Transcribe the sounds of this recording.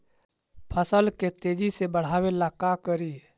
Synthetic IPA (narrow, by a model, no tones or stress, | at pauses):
pʰəsəlket̪eːd͡ʒisebəɽ̤aːʋelakakəɾi